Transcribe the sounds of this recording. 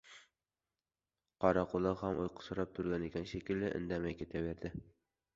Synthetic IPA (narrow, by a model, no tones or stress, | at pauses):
qʰɒɾɑqʰʊlˠɑʁhamʔo̰jqʰʊ̥sɒɾɑp̚t̪ʰʊɾɡʲanekʲanʃekʲɪlːɪʔɪ̰nd̪amajkʰʲet̪ʰabeɾd̪ɪ